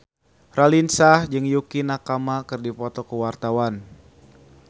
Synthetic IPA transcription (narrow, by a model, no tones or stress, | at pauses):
rʔalinsahd͡ʒɨŋjukinakamakɨrdipɔt̪ɔkəwart̪awan